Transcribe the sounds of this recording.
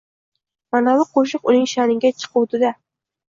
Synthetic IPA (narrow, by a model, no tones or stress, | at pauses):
manalɪqʰoʃ̬ɨqʊnɪŋʃanɪɡʲat͡ʃʰɨ̥qʰʊwt̪ɪd̪a